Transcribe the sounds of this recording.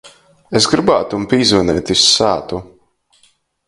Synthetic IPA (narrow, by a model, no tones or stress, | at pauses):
esɡɾibaːt̪umpʲiːzvɛnɛːt̪isaːt̪u